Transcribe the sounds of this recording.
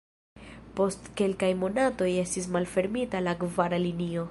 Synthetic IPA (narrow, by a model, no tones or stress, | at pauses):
po̞stke̞lkajmo̞nato̞je̞stis̬malfe̞ɾmitalakvaɾalinio̞